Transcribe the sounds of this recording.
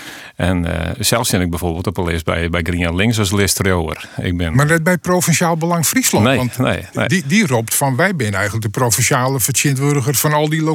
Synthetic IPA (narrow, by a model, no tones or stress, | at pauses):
ɛn̰sɛlˠsɪnɪɡ̚bɛjfoːrbɪːlˠtɔpəlɪsbɛ̰jbɛjɡriənlɪŋs̬ʋɔslɪstrjoə̰r | ɪ̰k̚bɪnmarnɛt̚bɛj̚profɛnʃjaːlˠbəlɑŋfrislɔnetnḛj̰didiroptfɔnʋɛjbɪnənɛjɣənlək̚dəprofɛnsjaːləfəsɪəntʋødəɣərfɔnɔlˠdilo